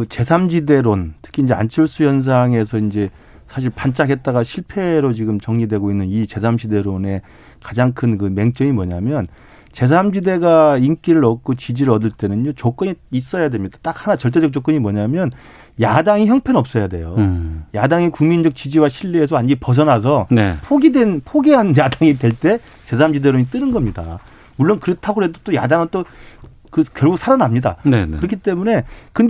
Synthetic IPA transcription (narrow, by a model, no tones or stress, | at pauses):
kɯt͡ɕe̞sʰamd͡ʑide̞ɾontʰɯ̥kʰind͡ʑea̰nt͡ɕʰɯɭs͈ujʌns̬ʰaŋe̞sʰʌind͡ʑe̞ | sʰaɕ̬ʰiɭpant͡ɕ͈aɡe̞t̚t͈aɣaɕʰiɭpʰe̞ɾot͡ɕiɡɯmt͡ɕʌŋɲidwe̞ɡoinːɯnit͡ɕe̞sʰamd͡ʑʰide̞ɾone̞ | kad͡ʑaŋkʰɯnkɯme̞ŋt͡ɕ͈ʌŋimwʌɲamjʌn | t͡ɕe̞s̬ʰamd͡ʑide̞ɡaink͈iɾɯɾʌt̚k͈ot͡ɕid͡ʑiɾɯɭɾʌdɯɭt͈e̞nɯnjot͡ɕok͈ɯɲiis͈ʌjadwe̞mɲidat͈ak̚hanat͡ɕʌɭt͈e̞d͡ʑʌk̚t͡ɕ͈ok͈ɯɲimwʌɲamjʌn | jadaŋiçjʌŋpʰenʌp̚s͈ʌjade̞̰jojadaŋikuŋmind͡ʑʌk̚t͡ɕid͡ʑiwaɕʰiɭːie̞s̬ʰʌand͡ʑipʌs̬ʰʌnas̬ʰʌnepʰoɡidwe̞npʰoɡeɦanjadaŋidwe̞ɭt͈e̞ | t͡ɕe̞sʰaamd͡ʑideɾoit͈ɯɾɯnɡʌmɲida̰ | muɭːonkɯɾetʰaɡoɦe̞dot͈oja̰daŋɯnt͈o | kɯkjʌɭɡuk̚sʰaɾanamɲida̰nɯɾʌkʰit͈e̞mune̞kɯnd